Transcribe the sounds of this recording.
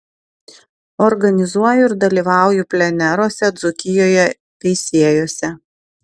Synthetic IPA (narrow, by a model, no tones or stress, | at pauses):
ɔɾɡɐnʲɪzuɔjʊɪɾd̪ɐlʲiːʋɑˑʊjʊpʲlʲɛnʲɛɾoːsʲɛd̪zʊkʲɪjoːjɛ | t̪ʲɛɪsʲiɛjoːsʲɛ